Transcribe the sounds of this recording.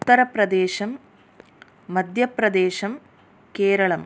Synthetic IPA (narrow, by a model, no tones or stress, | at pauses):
ut̪ːɐɾɐprɐd̪eːʃɐm | ɐd̪ʱjɐprɐd̪eːɕɐm | keːɾɐɭɐm